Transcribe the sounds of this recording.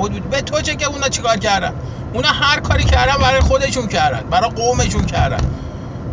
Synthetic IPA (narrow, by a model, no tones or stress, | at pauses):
od̪uːd̪bet̪ʰot͡ʃʰeceunɒt͡ʃʰikɒːɾcæɾd̪æ̰n | unɒhæɾkʰɒːɾicʰæɾd̪ænbæɾɒːjexo̞d̪e̞ʃuncʰæɾd̪æ̰nbæɾɒjɢome̞ʃuncʰæɾd̪æ̰n